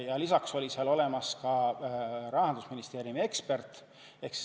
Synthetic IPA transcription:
jɑlisɑkso̞lʲiseɑlo̞le̞mɑskɑ | ɾɑhɑnd̪̥usminist̪e̞ːɾjumie̞kspe̞rt̪ˑ | e̞ks

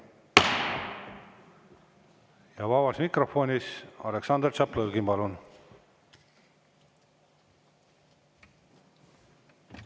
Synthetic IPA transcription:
jɑvɑβɑsmikro̞fo̞nʲisɑ̰leksɑnd̪rt͡ʃɑplɤlɡimpɑlun

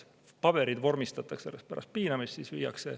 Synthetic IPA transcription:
pɑb̥e̞ɾid̪vo̞rmist̪ɑt̪ːˑɑkselːest̪pæɾʔɑ̰st̪̚piːnɑmist̪sisvḭjɑ̰kse̞

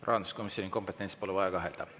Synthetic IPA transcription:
rʔɑ̰ɑnu̥sko̞misʲjoniko̞mpet̪ːˑenspoluvɑjɑɡɑɦeld̪̥ɑ̰

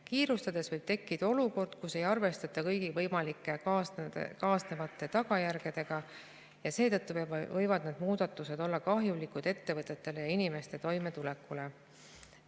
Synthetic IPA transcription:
kiːɾust̪ɑd̪̥e̞svɤjb̥t̪e̞kːid̪̥ɑo̞luko̞rd̪̥̚kuse̞jɑrve̞st̪ɑt̪ːˑɑkɤjɡ̥ivɤjmɑlikːˑe | kɑːsne̞vɑt̪ːˑe̞t̪ɑɡɑjærɡ̥e̞d̪̥e̞ɡ̥ɑ | jɑse̞ːt̪ɤt̪ːuvɤjvɑd̪ned̪̥muːd̪̥ɑt̪ːˑuse̞d̪o̞lːɑkɑɦjulikud̪̥e̞t̪ːe̞vɤt̪ˑːe̞t̪ːˑe̞le̞jɑinime̞st̪e̞t̪o̞jme̞t̪ule̞kːˑule

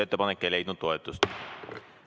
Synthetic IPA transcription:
et̪ːepɑnekːele̞jd̪nud̪̥̚t̪o̞e̞t̪ːˑust̪

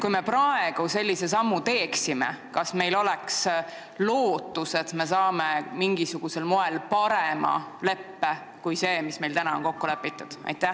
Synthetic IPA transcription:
kujme̞pɾɑe̞ɡ̥use̞lʲːise̞sɑmːut̪e̞ːksimḛkɑsme̞jlo̞lɛks | lo̞ːt̪ːˑuse̞t̪me̞sɑːme̞miŋɡisuɡ̥use̞lmo̞e̞lpɑɾemɑ̰le̞pːe | kujse̞ːmisme̞jlt̪ænɑonko̞kːulepːˑit̪ːˑud̪̥ɑ̰jt̪ːˑæ

